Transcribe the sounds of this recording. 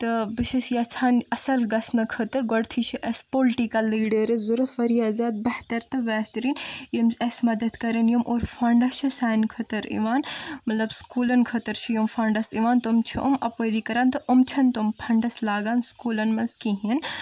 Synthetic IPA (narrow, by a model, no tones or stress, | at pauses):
t̪ɨbiʃesjɐt͡ʃʰaːnɐsɐlɡɐsnɐkʰɐt̪ɐɾɡoɽt̪ʰit͡ʃʰiʔɐspoːlʈikɐlːiːɖəɾizuɾut̪ʰʋɐɾijaːzaːd̪̚bɐht̪ɐɾt̪ɐʋɛːɦt̪ɾiːnimɐsmɐd̪ɐd̪kɐɾɐnjumʔoːɾfʰɐːɳɖɐt͡ʃʰisaːnkʰɐt̪ɐɾḭʋaːnmɐt̪lɐbskuːlɐnkʰɐt̪ɐɾt͡ʃʰijomfɐːɳɖɐsiʋaːnt̪umt͡ʃʰiʔomɐpɐd̪ikɐɾaːnt̪ɐʔumt͡ʃʰɐnt̪ompʰɐɳɖɐslaːɡaːnskuːlɐnmɐskiɦin